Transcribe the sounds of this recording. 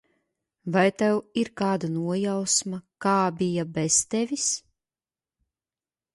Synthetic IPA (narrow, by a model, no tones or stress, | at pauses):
vajt̪ɛwiɾkaːd̪anuɔjawsmakaːbʲijabɛst̪evʲis